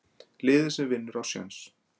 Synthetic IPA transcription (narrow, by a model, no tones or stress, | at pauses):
lɪːðɪsɛmvɪnːʏɾawsja̰ns